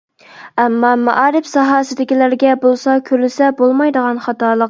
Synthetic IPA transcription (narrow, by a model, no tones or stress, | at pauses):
æmːɑmæ̰ʔɑːɾɪpsɑɦɑːsɪd̪ɪkʲilæɾɡʲɛbolˠsɑkʲʰøɾlɪsɛbolˠmɑjd̪əʁɑnχɑt̪ɑːlˠəq